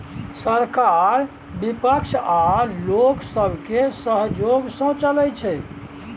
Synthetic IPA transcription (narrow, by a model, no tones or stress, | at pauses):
səɾkaɾ | bipəkʃʰaloksəbʱkesəɦd͡ʒoɡsə̃t͡ʃəlɛjt͡ʃʰɛ